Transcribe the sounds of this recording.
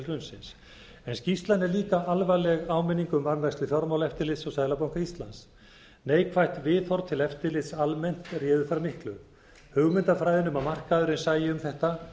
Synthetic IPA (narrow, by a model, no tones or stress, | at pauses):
lrʏnsɪns | ɛnscist̪lanɛɾliːkaʔalvalɛɣaːwmɪnːiŋkʏʏmvanlajsɪθjɔɾmaːwlɛft̪ɪɾlɪt̪sɔwsaðlapawŋ̥kaist̪lans | neːjkʰvajht̪vɪːðθɔɾt̪ʰɪlɛft̪ɪlɪt̪salmɛn̥t̪rjɛːðʏθaɾmɪhklʏ | hʏɣmɪnt̪afɾajðɪnʏmamar̥kaðʏɾɪnsaːjɪʏmθɛht̪a